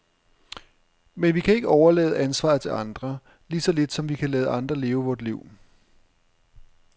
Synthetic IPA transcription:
menʋikʰæe̝ɡ̥əɒʊɐlɛ̰ːð̞̩ˠænsʋɑ̰̈ːð̩ˠt͡sʰe̝lɑ̈nd̥ʁɐ | liːsɒ̽le̝d̥sɒ̽mʋikʰælɛːðˠʔɑ̈nd̥ʁɐle̝ːʊəʋɒːd̥liʊ̰

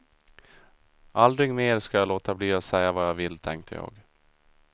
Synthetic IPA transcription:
ʔald̪ɾɪɡmeːɾskajaloːt̪abliːɔsɛjːavajɑvɪlːt̪ʰɛŋk̚t̪ʰəjɑ̰ːɡ

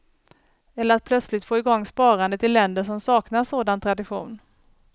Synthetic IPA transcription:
ɛlːəɾat̪̚pʰlœt̪slɪt̪foːɪɡɔŋːspɑːɾand̪ət̪ʰɪlːɛnd̪əʂɔmsɑːknaʂoːd̪ant̪ʰɾad̪ɪɧṵːn

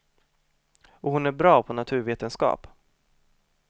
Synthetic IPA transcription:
ɔɦʊnæɾbɾɑːpʰɔnat̪ʰʉ̟ːɾveːt̪ənskɑ̰ːp

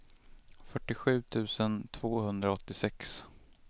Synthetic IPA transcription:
fœʈːɪɧʉ̟ːt̪ʰʉ̟ːsənt̪ʰv̥oːhɵnd̪ɾaɔt̪ːɪsɛks

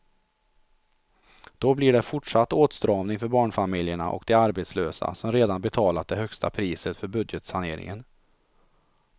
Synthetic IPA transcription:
d̪̥ɔblɪɖɛfʊʈʂat̪ːoːt̪st̪ɾɑːvnɪŋfœɾbɑːɳfamɪljəɳa̰ʔɔ̰kd̪ɛaɾbet̪sløːsa̰sɔmɾeːd̪anbɛt̪ʰɑːlat̪̚d̪ɛɦœkst̪ʰa̰pʰɾiːsət̪fœɾbɵd̪jət̪sanḛːɾɪ̰ŋən

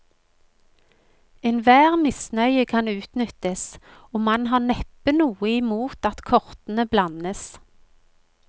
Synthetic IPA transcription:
enʋæːʁmɪsnœʏəkʰɑnʉːt̪nʏt̪əs | ɔːmɑnɦɑːnɛpənuːəɪmuːt̪ɑt̪kʰɔʁt̪ən̩əblɑnəs

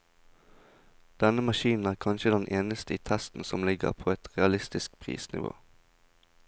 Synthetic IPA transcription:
d̪̥ɛnəmɑʃiːn̩æːʁkʰɑnʃəd̪ɛnʔeːnəst̪əiːt̪ʰæst̪n̩sɔmlɪɡə̰ʁpʰoːɛt̪ʁɛɑlɪst̪ɪsk̚pʰʁḭːsnɪ̰ʋo̰ː

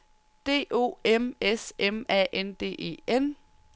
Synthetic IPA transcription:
d̥e̝̰ːʔo̝̰ːemesemɛ̰ːʔend̥e̝̰ːʔe̝̰ːen

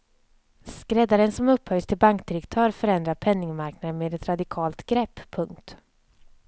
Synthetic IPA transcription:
skɾɛd̪aɾənsɔmɵpːhœjst̪ʰɪlbaŋkd̪ɪɾɛkt̪ʰœːɾfœɾɛnd̪ɾaɾpʰɛnːɪŋmaɾknad̪ənmeːd̪ɛt̪ɾad̪ɪkʰɑːlt̪ɡɾɛpːpʰːɵŋk̚t̪

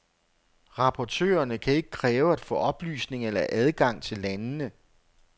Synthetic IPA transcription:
ʁɑ̈pʰɒt͡sʰø̰ːɐnəkʰæe̝ɡ̥ə̥kʰʁɛːʊæd̥fɔ̰̽ːɒ̽b̥ly̰ːsne̝ŋelɐʔæð̞ˠɡ̥ɑ̈ŋ̰t͡sʰe̝lːænnə

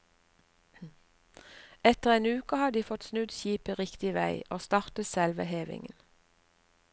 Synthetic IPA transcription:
ɛt̪əʁeːnʉːkəhɑd̪iːfɔt̪snʉd̪çiːpəʁɪkt̪ɪʋæɪʔoːst̪ɑːʁt̪əsɛlʋəheːʋɪ̰ŋən

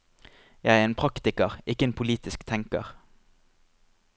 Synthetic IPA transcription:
jæɪæːʁeːnpʰʁɑkt̪ɪkəʁʔɪkːəeːnpʰʊliːt̪ɪskt̪ʰɛŋkə̰ʁ

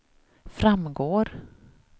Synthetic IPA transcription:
fɾamɡoːɾ

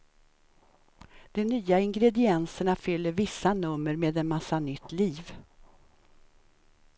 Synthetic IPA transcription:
d̪̥ɔnyːaɪŋɡɾɛd̪ɪɛnsəɳafʏlːəɾvɪsːanɵmːəɾmeːd̪ɛnmasːanʏt̪ʰːliːv

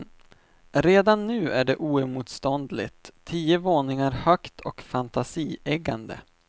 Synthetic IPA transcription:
ɾeːd̪anːʉ̟ːʔæɖɛʔuːœmuːt̪st̪ɔnd̪lɪ̰t̪ʰːiːəvoːnɪŋaɾhœkt̪ʰɔkfant̪asiːɛɡand̪ə̰

